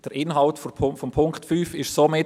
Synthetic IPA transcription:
d̥əɾʔɪnɦɑltfʰfɔmpʰʊŋktfyːfɪʃsomɪ

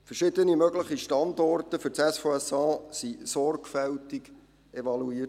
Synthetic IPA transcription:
fərʃɪdənimœɡləχiʃtɑnd̪ɔrtəfɵɾt͡sɛsfoɛsɑːsisɔrɡfɛltiɡ | ʔevɑluiːət

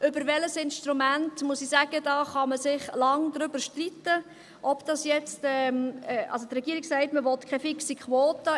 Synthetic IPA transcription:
ʔʏbəɾʋɛləsɪnʃtɾumæntmusisæːɡ̥ədɑːχɑməsɪχlɑŋd̪ɾʏbəɾʃtritːə | ʔɔpd̥ɑsjɛt͡stɛmɛʔɑ̰lsot̪rɛɡiːəɾiɡsɛɪtməʋɔtkʰɛfɪksikʰχʋɔːtə

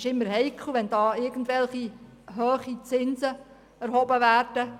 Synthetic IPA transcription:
ʃɪmːəɾɦɛjkʰləʋɛnd̥ɑːɪɾɡ̥ən̩dʋɛlχi | ɦøːχit͡sɪnsə | æɾɦɔbəʋæːrd̥ə

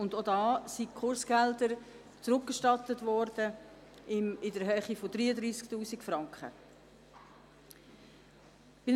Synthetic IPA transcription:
ʊndodɑːsikʰχʊɾsɡ̥ɛldəɾ | t͡sɾʊk̚ɡ̥əʃtɑt̪ətvɔɾd̥ə | ɪmɪdəɾɦœːχifodɾiːədɾiːsktuːsikfrɑŋkχə̰ | b̥ɪ

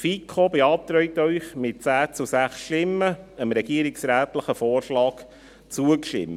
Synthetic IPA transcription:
fiːkʰobeɑːp̚t̪ɾœjt̪œʏχmɪt̚t͡sæːt͡susæχsʃtɪmːəəmɾɛɡiəɾɪksɾæːtləχəfɔːɾʃlɑːk | t͡suəkʃtɪ̰m

